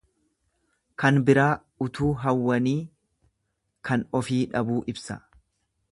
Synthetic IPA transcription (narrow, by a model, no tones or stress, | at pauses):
kɐnbɪɾaː | ʊt̪uːɦɐwːɐniː | kʰɐnɔfiːᶑɐbuːʔɪbsɐ̰